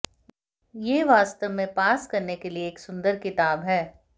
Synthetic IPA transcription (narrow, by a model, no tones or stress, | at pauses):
jeːʋaːst̪əʋmẽpaːskɐɾnekelieːksʊ̃nd̪əɾkɪt̪aːbɦɛː